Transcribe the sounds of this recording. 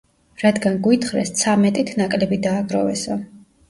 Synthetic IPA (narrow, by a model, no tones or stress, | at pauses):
ɾad̪ɡanɡwit̪χɾɛst̪sʰamɛt̪ʼit̪ʰnakʼlɛbid̪aːɡɾɔvɛ̰sɔ